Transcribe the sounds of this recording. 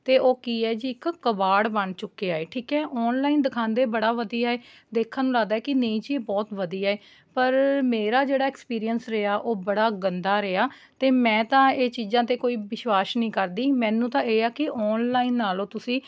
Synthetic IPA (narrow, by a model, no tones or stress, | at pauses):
t̪eːʔoːkiːɛːd͡ʒiːɪkːəbaːɽbəɳt͡ʃʊkːeːaːeːʈʰiːkɦɛːʔɔːnlaːiːnd̪ɪkʰãːnd̪eːbəɽaːʋəd̪iːaːɦeː | d̪eːkʰãːnũːlaːɡd̪aːɦɛːkɪneːĩːt͡ʃiːbɔːt̪ʋəd̪iːaːeː | pəɾmeːɾaːd͡ʒeːɽaːɛːkspiːɾijənsɾeaːʔoːbəɽaːɡənd̪aːɾeaː | t̪eːmɛ̃ːt̪ãːeːt͡ʃiːzãːt̪eːkoːiːʋɪʃwaːʃnĩːkəɾd̪iːmɛ̃ːnũːt̪ãːeːaːkɪʔɔːnlaːinːaːlõːt̪ʊsĩː